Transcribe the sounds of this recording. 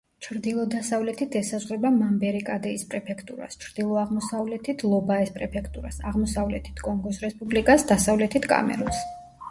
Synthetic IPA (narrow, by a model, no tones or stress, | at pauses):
t͡ʃʰɾd̪ilˠɔd̪asavlɛt̪ʰit̪ʰɛsazʁɾɛbamambɛɾikʼad̪ɛispʼɾɛpʰɛkʰt̪ʼṵɾa̰st͡ʃʰɾd̪̥ilˠɔaʁmɔsavlɛt̪ʰit̪ʰlˠɔbaɛspʼɾɛpʰɛkʰt̪ʼuɾa̰saʁmɔsavlɛt̪ʰi̥t̪ʰkʼɔŋɡɔsɾɛspʼublikʼasd̪asavlɛt̪ʰit̪ʰkʼa̰mɛ̰ɾɔns